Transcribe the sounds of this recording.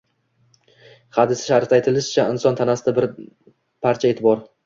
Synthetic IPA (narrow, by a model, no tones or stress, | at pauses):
had̪ɪsɪ̥ʃaɾt̪ajt̪ʰɪlɪʃɪ̥t͡ʃʰaɪnsɒnt̪ʰanasɪd̪abɪɾ | pʰaɾt͡ʃʰae̞ːt̪ʰɪbɒɾ